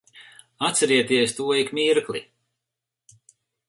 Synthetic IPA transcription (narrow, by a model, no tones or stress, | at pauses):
at̪sɛɾiɛt̪iɛst̪uɔikmiɾklˠi